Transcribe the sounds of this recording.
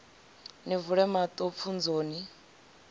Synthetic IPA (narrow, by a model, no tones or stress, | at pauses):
nivuɺɛmat̪ʼop̪fʰund͡zoːni